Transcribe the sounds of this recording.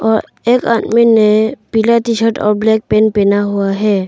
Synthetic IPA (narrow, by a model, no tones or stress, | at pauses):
ɔɾ | ɛkã̰t̪minːɛpilat̪isʰəʈɔ̰ɾblɛk̚pɛnpɛnaɦuaɦɛ